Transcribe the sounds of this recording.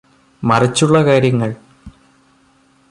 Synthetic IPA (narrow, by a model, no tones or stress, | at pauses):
mɐrɐt͡ɕːuɭːɐkaːɾjɐŋːɐɭ